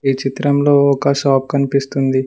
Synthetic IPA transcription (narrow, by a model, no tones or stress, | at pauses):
iːt͡ʃit̪ɾɐmlo̞ːɔkɐʃaːp̚kɐnipist̪und̪i